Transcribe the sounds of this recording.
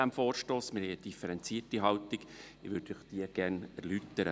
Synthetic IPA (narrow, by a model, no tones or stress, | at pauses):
æmfoːɾʃtoːsmɪɾhɛɪəd̥̪ifəɾɛnt͡siətiɦɑwt̪ɪɡɪʋød̥ʊχd̥iəɡ̥æɾnɛɾlyt̪ːəɾə